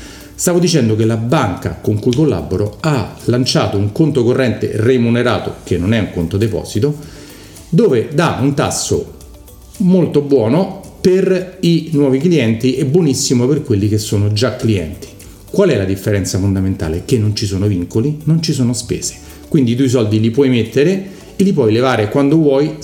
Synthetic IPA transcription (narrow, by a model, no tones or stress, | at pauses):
st̪aːvod̪it͡ʃɛnd̪okelabaŋka̰koŋkuikolːa̰bːoɾoalant͡ʃaːt̪ouŋkont̪okorːɛnt̪ḛremuneɾaːt̪o̰kenːonɛuŋkont̪od̪epɔ̰ːz̥it̪o | d̪oːved̪aunt̪a̰sːo̰ | molt̪obwɔːnoperinwɔːvikliɛnt̪iʔebːwonisːimoperkwelːik̟esːoːnod͡ʒakːliɛ̰nt̪i̥ | kwalɛlad̪ifːeɾɛnt̪safond̪ament̪a̰ːlek̟enːont͡ʃis̬oːnoviŋkolinont͡ʃisoːnospḛːz̥e̥ | kwind̪id̪ujs̬ɔld̪ilipwɔjmet̪ːeɾe | elːip̬wɔjlevaːɾekwand̪ovwɔj